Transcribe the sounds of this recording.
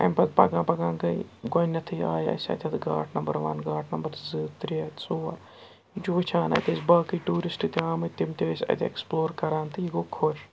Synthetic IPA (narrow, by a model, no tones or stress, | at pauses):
ɐ̰mpɐt̪pɐ̰ɡãːpɐɡãːnɡɐiɡɐnʲːɐt̪ʰɨaːjɐ̰sʲɐ̰t̪ʲʰɐt̪ɡa̰ːʈʰnɐmbɐɾʋɐ̰nɡaːʈʰnɐmbɐɾzɨːt̪ɾiɐt̪soːa | d͡ʒut͡ʃʰaːnɐ̰t̪ʲɐsbaːkiːʈuːɾisʈɨt̪iaːmɨt̪imt̪ʲeːsʲɐ̰t̪ʰʲːḛksploːɾkɐɾaːnt̪ɨjiɡoːkʰːoʃ